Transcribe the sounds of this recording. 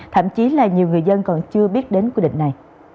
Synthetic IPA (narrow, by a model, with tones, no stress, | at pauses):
t̪ʰə̰˧˩˨mt͡ɕi˨˦laː˨˩ɲi˨˩əwŋɨ˨˩əjzə˧nkɔ˨˩nt͡ɕɨ˧əɓi˦˥ət̚ɗe˨˦nkwi˧ɗḭ˧˨ŋ̟na˨˩j